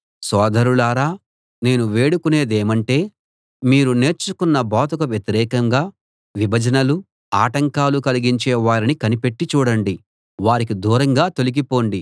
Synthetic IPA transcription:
sɔːd̪ɐɾulaːɾaː | ne̞ːnuʋe̞ːɽukune̞ːd̪eːmɐɳʈe̞ː | miːɾune̞ːɾt͡ʃukunːɐbaːt̪ukɐʋjɐt̪iɾɛːkɐŋɡaː | ʋibʱɐd͡ʒɐnɐlu | aːʈɐŋkaːlukɐliɡiɲt͡ʃɛːʋaːɾinikɐnipe̞ʈːit͡ʃuːɽɐɳɖi | ʋaːɾik̬id̪uːɾɐŋɡaːt̪o̞liɡipo̞ːɳɖi

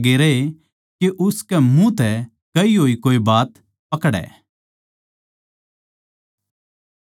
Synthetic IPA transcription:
ɡeːɾee | keʔʊskɛmũt̪ɛ | kɐiɦoːikoːibaːt̪ | pɐkɽɛ̰ː

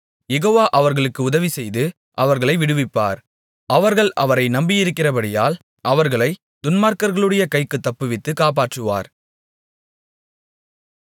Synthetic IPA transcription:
jɛɣoːʋaːʔɐʋɐɾɣɐɭɯkːɯʊðɐʋisɛjðɯ | ʔɐʋɐɾɣɐɭɐɪʋɪɽɯʋɪpːa̰ːɾ | ʔɐʋɐɾɣɐɭɐʋɐɾɐɪnɐmbɪjɪɾɯkːɪrɐbɐɽɪjaːl | ʔɐʋɐɾɣɐɭɐɪ | d̪̥ʊnmaːɾkɐɾɣɐɭɯɽɐjɐkɐɪkːɯt̪ːɐpːɯʋɪt̪ːɯkaːp̬aːʈrɯʋa̰ːɾ

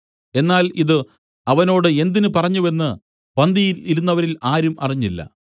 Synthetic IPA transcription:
e̞nːaːliðɨ | ɐʋɐno̞ːɽɨe̞nd̪inɨpɐrɐɲːue̞nːɨ | pɐnd̪ijiliɾunːɐʋɐɾilaːɾumɐ̰riɲːilːɐ̰

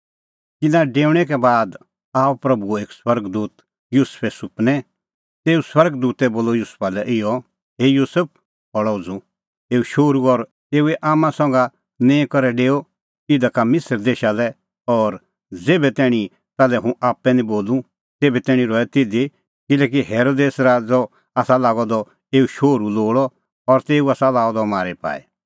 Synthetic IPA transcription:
kɪnãɖeːʊɽ̃ɛk̬ɛbaːd̪ | aːpɾɐbueːkswɐɾɡd̪uːt̪ | juːspʰɛsʊpnɛ | t̪eːuswɐɾɡd̪uːt̪ɛboːlɔjuːspʰalɛʔɪjɔ | ɦejuːsəp̚ʰ | ɦɔɽɔd͡zu | eːuʃoːɾuɔɾ | t̪eːuɛʔaːmãsɔ̃ŋɡa | nɛ̃ːkɔɾɛɖeːo | ɪd̪akamɪsəɾd̪eːʃalɛ | ɔːɾ | d͡zeːbɛt̪ɛːɽ̃ĩ | t̪aːlɛɦũʔaːpːɛnĩboːlũ | t̪eːbɛt̪ɛːɽ̃ĩɾɔɛt̪ɪd̪i | kɪlɛːk̬iɦeːɾoːd̪eːsɾad͡zɔ | aːsalaːɡɔd̪ɔ | eːuʃoːɾuloːɽɔ | ɔɾt̪eːuaːsalaːɔd̪ɔmaːɾɛpa̰ːɛ̰

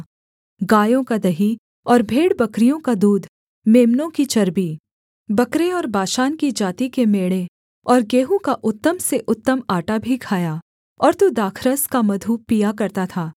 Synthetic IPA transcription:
ɡaːjõkad̪ɐɦi | ɔːɾbʱeːɽbɐkɾijõkad̪uːd̪ʱ | meːmnõkit͡ʃɐɾbiː | bɐkɾeɔːɾbaːʃaːnkid͡ʒaːt̪ikemeːɽe | ɔːɾɡeːɦõkaʔʊt̪ːəmseʔʊt̪ːəmaːʈabʱikʰaːja | ɔːɾt̪ud̪aːkʰɾəskamɐd̪ʱupijakɐɾt̪at̪ʰaː

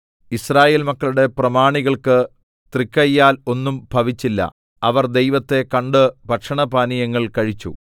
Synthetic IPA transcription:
israːje̞ːlmɐkːɐɭuɽe̞prɐmaːɳiɣɐɭkɨ | t̪rikːɐjːaːlo̞nːumbʱɐʋit͡ɕːilːɐ̰ | ɐʋɐrd̪e̞jʋɐt̪ːe̞kɐɳɖɨbʱɐʈʂɐɳɐbaːnijɐŋːɐɭkɐɻit͡ɕːṵ

